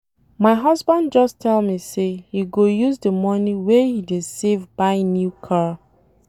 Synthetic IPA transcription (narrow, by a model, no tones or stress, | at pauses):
maɪɦʌzbãndd͡ʒɔstʰɛlmisejiɡojuzdəmɔniwehidedsevbaɪnjukʰa